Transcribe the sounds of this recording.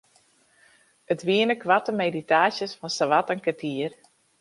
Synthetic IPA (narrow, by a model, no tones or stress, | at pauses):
ətʋiənəkʋatəmeditaːsjəsfɔnsəʋatənkətʰiər